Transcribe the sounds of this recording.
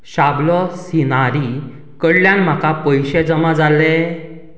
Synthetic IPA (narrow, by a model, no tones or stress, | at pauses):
ɕablɔsinaɾi | kəɽljãnm̤akapəjɕed͡zəmad͡zalːe